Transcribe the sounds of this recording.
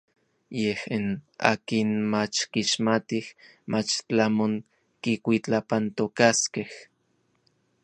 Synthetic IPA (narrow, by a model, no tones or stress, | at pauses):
jehina̰ːkinmat͡ʃkiʃmat̪ih | mʔat͡ʃt͡ɬamoŋ | kikʷit͡ɬapant̪okaskeh